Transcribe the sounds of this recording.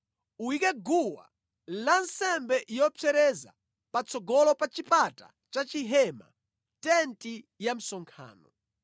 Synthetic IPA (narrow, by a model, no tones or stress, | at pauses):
uwikɛɡuwa̰ | lansɛmbɛʔjɔpʰɛɾɛza̰ | pat͡sʰɔɡɔlɔpat͡ʃipata̰ | t͡ʃat͡ʃiɦɛma̰ | tɛnti | jam̩sɔŋkʰa̰ːnɔ